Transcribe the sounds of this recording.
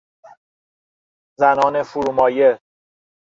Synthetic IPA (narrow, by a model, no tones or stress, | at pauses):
zænɒːne̞fuɾumɒːje